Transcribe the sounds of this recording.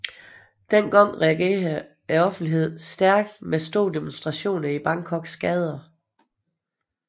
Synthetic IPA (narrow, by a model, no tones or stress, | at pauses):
d̥en̰ɡ̥ɑŋ̰ʁɛæɡ̥e̝̰ː | æɒ̽fn̩d̥iɦe̝ð̞̰ˠsd̥æɐɡ̥d̥mesd̥o̰ːd̥e̝monsd̥ʁɑ̈ɕo̝̰ːnɐib̥ɑ̈ŋkʰɒ̽ɡ̥sɡ̥ɛːð̞ˠɐ